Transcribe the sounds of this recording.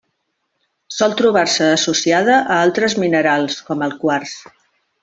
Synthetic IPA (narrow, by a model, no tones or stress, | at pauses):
sɔlˠt̪ɾuβ̞arsəːsusiaðəʔəalˠt̪ɾəzminəɾalˠskɔməlˠkwars